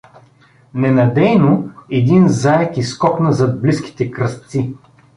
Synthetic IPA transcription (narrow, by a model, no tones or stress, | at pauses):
nɛnɐd̪ɛjnoɛd̪inzaɛkiskɔknəzɐd̪̚bliskʲi̥t̪ɛkɾɐst̪si